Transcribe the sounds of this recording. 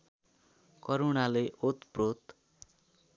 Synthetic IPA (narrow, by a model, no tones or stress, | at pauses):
kʌɾunaleʔot̪prot̪